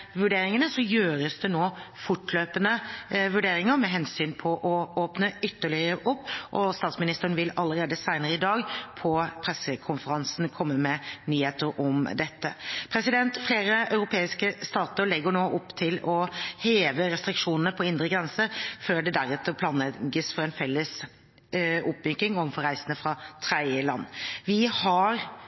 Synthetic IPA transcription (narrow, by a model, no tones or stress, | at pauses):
ʋʉɖeːɾɪŋənəsɔjøːɾəsd̪ɛnoːfʊʈløːpənəʋʉɖeːɾɪŋəɾmɛɦɛnsyːnpʰɔʔɔoːpnəʏt̪ːəɭɪəɾəʔʊpːʔɔst̪ɑːt̪smɪnɪst̪əɾənʋɪlɑlːəɾeːd̪əsæɪnəɾəɪd̪ɑːɡpʰɔpʰɾɛsːəkʰʊnfəɾɑnsn̩kʰɔmːəmɛnyːheːt̪əɾɔmd̪ɛt̪ːəpʰɾɛsɪd̪ɛnt̪fleːɾəɑʉɾʊpʰeːɪskəst̪ɑːt̪əɭɛɡəɳoːʔɔpːt̪ʰɪlɔheːʋəɾɛst̪ɾɪkʂuːnənəpʰɔɪnd̪ʁəɡɾɛnsəɾføːɖɛd̪æɾɛt̪əpʰlɑːnɛɡəsfɔɾɛnfɛlːəs | ʊpʋʏkɪŋɔfɔɾæɪsənəfɾɑt̪ʰɾɛd̪jəlɑ̰nːʋɪhɑɾ